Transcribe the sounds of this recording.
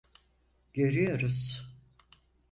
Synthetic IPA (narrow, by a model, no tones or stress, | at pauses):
ɟeɾijoɾuz̥